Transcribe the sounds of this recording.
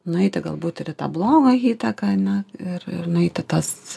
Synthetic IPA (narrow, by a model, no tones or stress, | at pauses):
nʊɛɪt̪ʲɪɡɐlˠbuːt̪ɪɾɪt̪ɑ̰ːblˠoːɡɐɣiːt̪ɐkɐɐnʲɛɪrɪ̰rnʊɛɪt̪ʲɪt̪ɐs